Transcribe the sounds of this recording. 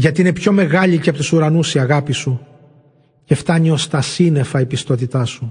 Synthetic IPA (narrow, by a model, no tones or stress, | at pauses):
ʝɐt̪iinepço̞me̞ɣɐʎicepot̪usuɾɐnusiɐɣɐpisu | ce̞ft̪ɐɲio̞st̪ɐsine̞fɐipist̪o̞t̪̬it̪ɐsu